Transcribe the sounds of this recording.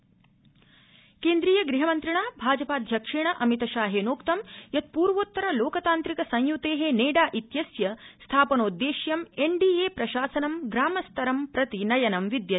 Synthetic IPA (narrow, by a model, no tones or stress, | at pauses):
keːnd̪ɾiːjɐɡɾiɦɐmɐnt̪ɾiɳaːbʱaːd͡ʒɐpaːd̪ʱjɐkʂiɳɐʔɐmit̪ɐʃaːɦeːnoːkt̪ɐmjɐt̪̚puːɾʋoːt̪ːɐɾɐloːkɐt̪aːnt̪ɾikɐsɐ̃j̃jut̪eːɦeːneːɖaːʔit̪jɐsjɐst̪ʰaːpɐnoːd̪ːeːʃjɐmeɳɖiːeːpɾɐʃaːsɐnɐmɡɾaːmɐst̪ɐɾɐmpɾɐt̪inɐjɐnɐmʋid̪jɐ